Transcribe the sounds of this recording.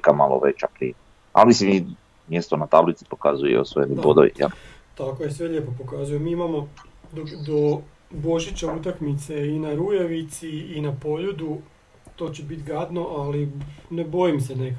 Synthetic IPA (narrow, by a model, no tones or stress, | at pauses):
kamalo̰ʋḛt͡ʃapɾḭ | a̰lisemi | mjest̪onat̪ablit̪si̥po̞kazujɛ̰osoelibod̪o̰ʋḭa̰ | t̪akojesʋeʎepo̞po̞kazujomiːimamo̞d̪od̪o | bo̞ʒit͡ɕaut̪akmit̪se̞inaɾujeʋit̪siːnapo̞ʎud̪u | t̪o̞t͡ɕebit̪ɡad̪no̞ʔalinebo̞jimsenek